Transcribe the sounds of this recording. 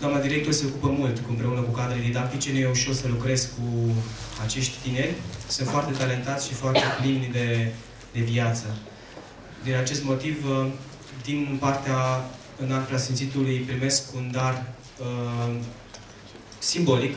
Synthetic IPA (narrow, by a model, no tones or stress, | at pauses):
kamad̪iɾe̞k̚t̪orse̞o̞kupəmult̪kuɨmpɾe̞unəkukad̪ɾed̪id̪ak̚t̪it͡ʃe̞nuje̞uʃo̞rsəlukɾe̞sku | at͡ʃe̞ʃt̪ʲt̪inerʲsɨnt̪foart̪e̞t̪ale̞nt̪at̪sʃifoart̪e̞plimnʲd̪e̞ | d̪e̞viat̪sə | d̪inat͡ʃe̞st̪mo̞t̪iv | d̪inpart̪ea | ɨnalpɾeasint̪sit̪ulujpɾime̞skund̪ar | simbo̞lik